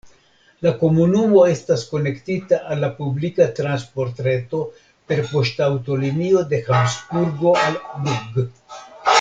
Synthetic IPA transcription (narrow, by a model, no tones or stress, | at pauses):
lako̞munumo̞e̞stasko̞ne̞ktitaʔalːapublikatɾanspo̞ɾtɾe̞to̞ | pe̞ɾpo̞ʃtawto̞limio̞de̞xamsbuɾɡo̞albuɡ